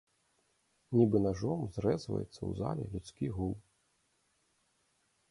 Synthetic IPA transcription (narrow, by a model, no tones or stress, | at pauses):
nʲibɨnaʐɔmzrɛzvɐ̰jɛ̰t̪sːɐ̰wza̰lʲɛ̰lʲut̪skʲiɣulˠ